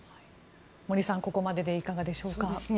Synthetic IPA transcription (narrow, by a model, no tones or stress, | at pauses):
hi | mo̞ɾʲisãŋko̞ko̞mad̪e̞d̪e̞ikaɡad̪e̞ɕo̞ːka